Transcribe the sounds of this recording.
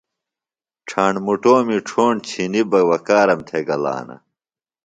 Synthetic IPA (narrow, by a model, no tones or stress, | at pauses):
ʈ͡ʂʰaːɳmuʈoːmiʈ͡ʂʰoːɳt͡ɕʰinibɐwɐkaːɾɐmt̪ʰeɡɐla̰ːnɐ̰